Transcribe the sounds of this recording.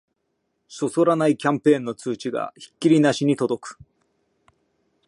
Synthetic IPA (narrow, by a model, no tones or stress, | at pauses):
so̞so̞ɾanaikʲãmpẽ̞ːnːo̞t͡sɨːt͡ɕiɡa̰çi̥kʲːiɾʲinaɕiɲ̟it̪o̞d̪o̞kɯ̥